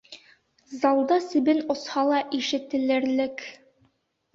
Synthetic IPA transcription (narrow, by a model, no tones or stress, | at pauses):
zɑlˠd̪ɑsɘ̆bɘnŏshɑlˠɑʔiʃɘ̆t̪ɘ̆lɘ̆ɾlɘk